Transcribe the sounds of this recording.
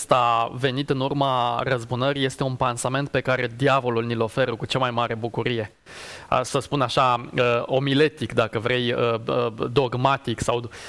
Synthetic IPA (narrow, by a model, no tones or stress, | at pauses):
st̪ave̞nit̪ɨnurmarəzbunəɾije̞st̪e̞unpensame̞nt̪̚pe̞kaɾe̞d̪iavo̞lulnilo̞fe̞ɾəkut͡ʃamajmaɾe̞bukuɾije̞̰ | səspunaʃaəo̞mile̞t̪ikd̪akəvɾe̞jəəd̪o̞ɡmat̪iksaw